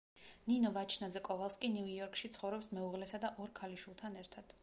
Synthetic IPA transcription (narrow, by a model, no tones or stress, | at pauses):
ninɔvat͡ʃʰnazɛkʼɔvalˠskʼinijɔɾkʼʃit̪sʰχɔvɾɛpsmɛuʁlɛsad̪aʔɔɾkʰaliʃilˠt̪ʰanɛɾt̪ʰad̪̥